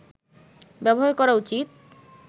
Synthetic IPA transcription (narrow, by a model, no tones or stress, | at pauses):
bɛboɦaɾkɔɾaut͡ɕit̪̚